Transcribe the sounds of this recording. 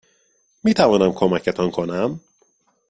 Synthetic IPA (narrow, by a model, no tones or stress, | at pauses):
miːt̪ʰævɒːnæmkʰomæcʰet̪ʰɒnkʰonæm